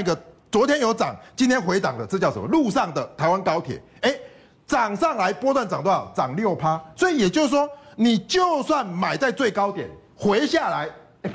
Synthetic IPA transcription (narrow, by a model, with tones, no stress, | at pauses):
i˧ɡə˨t͡swɔ˧˦t̪ʰjɛ˥njo˧˥ʊt͡sɑ̰˨˩ŋt͡ɕi˦nt̪ʰjɛ˥nxwe˧˦ɪta̰˨˩ŋd̪ə˦t͡st͡ɕjʊʂə˨mɔ̰˦lu˥˧ʂɑ˥˨ŋd̪ə˨t̪ʰa˨˧ɪwa˦nkɑ˥˦ʊt̪ʰjɛ̰˨˩˦ | e˦ɪ | t͡sɑ˨˩ŋsɑ˥˩ŋla˧˦ɪpwɔ˥t̪wa˥˩nt͡sa˨˩ŋt̪̬t͡sɑ˨˩ŋljo˥˨ʊpʰa˦swɔ˧˥i˨˩jɛ˨˩t͡ɕjo˥˧ʊswɔ˦ni˨˩t͡ɕjo˥˧ʊswa˥˨˩nma˨˩ɪt͡sa˥˧ɪt͡swe˥˨ɪkɑ˥˦ʊt̪jɛ̰˨˩˦n | xwe˨˦ɪɕja˥˨˩la˧˦ɪ